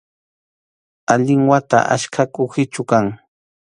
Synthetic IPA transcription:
aʎɪŋwat̪a̰ʔa̰ʃkʰakʊxɪt͡ʃʊkaŋ

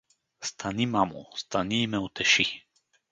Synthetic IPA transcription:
st̪ʰanimamṵst̪aniːmɛut̪ʰɛʃi

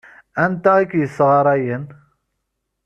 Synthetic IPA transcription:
ænt̪æikːjəsːʁɑɾˤæjən

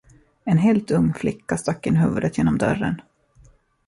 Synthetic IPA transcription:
ɛnɦeːlt̪ɵŋːflɪkːast̪akːɪnɦʉːvɵd̪ət̪ʰjeːnɔmd̪œ̰ɾə̰n

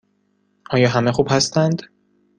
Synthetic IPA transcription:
ʔɒːjɒːɦæmexuːb̥hæst̪ænd̪̥

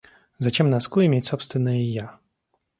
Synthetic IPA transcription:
zat͡ɕɛmnaskujɛmʲetʲsɔpst̪vʲɪnːɨjija

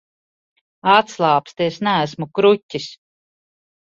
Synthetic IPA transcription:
at̪slˠɑːpst̪iesnææsmukɾutʲːis

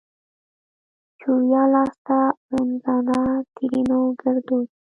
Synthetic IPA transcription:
t͡ʃuɾjɑlɑst̪aɾʊnzɑnat̪ʰiɾinoɡəɾd̪od̪

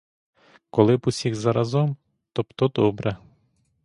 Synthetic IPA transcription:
kɔlˠɪbusʲiɣzɐɾɐzɔm | t̪ɔpt̪ɔd̪ɔbɾɛ

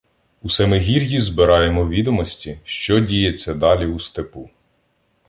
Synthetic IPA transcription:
usɛmɪɦʲirʲjizbɪɾɑjemɔʋʲid̪ɔmɔsʲtʲiʃt͡ʃɔdʲijet͡sʲːɐd̪ɑlʲiust̪epu

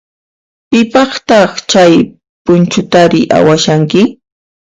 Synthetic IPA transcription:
pɪpɑχt̪ɑχt͡ʃaj | pʊnt͡ʃʊt̪aɾɪʔa̰waʃaŋkɪ

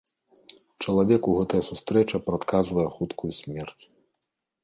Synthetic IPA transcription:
t͡ʂɐlˠavʲɛkuɣɛt̪ɐjɐsust̪ɾɛt͡ʂɐpɾat̪kazvɐjɛxut̪kʰujusʲmʲɛrt͡sʲ

